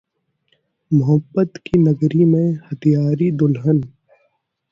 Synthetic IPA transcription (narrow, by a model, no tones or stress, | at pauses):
mʊɦəbːət̪kinəɡɾimẽhət̪ʰijaːɾid̪ʊlɦən